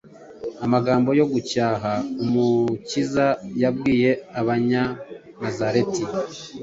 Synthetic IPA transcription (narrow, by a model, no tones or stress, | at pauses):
amaɡaːmbo̞jo̞ɡucaːɦaumucizajabɡwiːje̞aβaɲa | nazaɾe̞ti